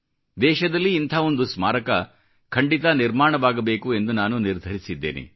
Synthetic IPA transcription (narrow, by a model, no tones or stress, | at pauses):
d̪ɛːʃɐd̪ɐlːiːnt̪ʰaːo̞nd̪usmaːɾɐkɐ | kʰɐɳɖit̪ɐniɾmaːɳɐʋaːɡɐbe̞ːkue̞nd̪unaːnuniɾd̪ʱɐɾisid̪ːḛːnḭ